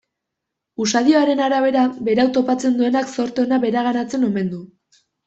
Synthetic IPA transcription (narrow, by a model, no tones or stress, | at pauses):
usaðio̞aɾe̞naɾaβe̞ɾabe̞ɾawt̪o̞pat͡se̞nd̪ue̞nakso̞ɾt̪onaβe̞ɾaɣ̞anat͡se̞no̞me̞nd̪u